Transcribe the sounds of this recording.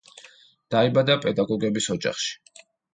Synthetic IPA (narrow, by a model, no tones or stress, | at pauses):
d̪̥aibad̪apʼɛd̪aɡɔɡɛbisɔd͡ʒa̰χʃi̥